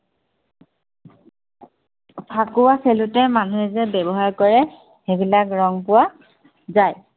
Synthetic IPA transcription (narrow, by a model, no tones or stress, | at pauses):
pʰakʊwaselutɛmanuɛzɛbɛbɔɦaɹkɔɹɛ | xebilakɹɔŋpʊwa | zaj